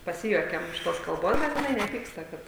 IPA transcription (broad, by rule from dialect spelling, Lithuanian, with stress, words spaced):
pɐˈsʲɪjuɔkʲɛm ɪʃ ˈtoːs kɐlˠˈboːs bʲɛt jɪˈnɐɪ nʲɛˈpʲiːkstɐ ˈkɐt